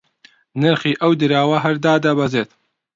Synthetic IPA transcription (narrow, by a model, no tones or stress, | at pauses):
nɨɾxiːʔɐwd̪ɨɾaːwɐɦɐɾd̪aːd̪ɐbɐzeːt̪